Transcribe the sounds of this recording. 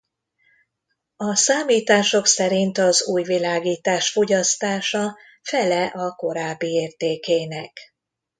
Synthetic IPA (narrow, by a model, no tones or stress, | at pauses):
ɒsaːmiːt̪aːʃo̞ksɛɾint̪ɒzuːjvilaːɡiːt̪aːʃfo̞ɟɒst̪aːʃɒ | fɛlɛʔɒko̞ɾaːbːieːrt̪eːkeːnɛk